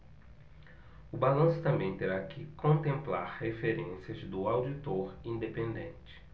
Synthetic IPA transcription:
ʊbalɐ̃sʊ̥t̪ɐ̃mbẽj̃t̪eɾakʰɪkõnt̪ẽmpla̰ɾhefeɾẽsiɐzd̪ʊawd͡ʒit̪oɾĩnd̪epẽnd̪ẽnt͡ʃɪ̥

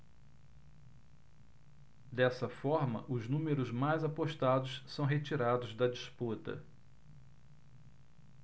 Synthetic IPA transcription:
d̪ɛsɐfɔɾmɐ̰ʔʊznũmeɾʊzmajzapoʃt̪ad̪ʊssɐ̃w̃ɦet͡ʃiɾad̪ʊzd̪ɐd͡ʒisput̪ɐ̰

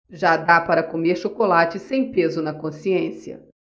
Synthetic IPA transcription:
ʒad̪apaɾɐkomeɾʃokolat͡ʃɪsẽj̃pezʊnɐkõsiẽsiɐ̰

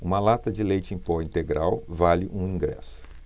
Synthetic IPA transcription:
ũmɐlat̪ɐd͡ʒɪlejt͡ʃɪẽj̃pɔĩnt̪eɡɾawvalɪʔũĩɡɾɛ̰sʊ̥

